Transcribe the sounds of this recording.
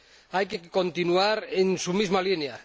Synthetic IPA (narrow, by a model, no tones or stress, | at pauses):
ajkeko̞nt̪inuaɾensumizmalinea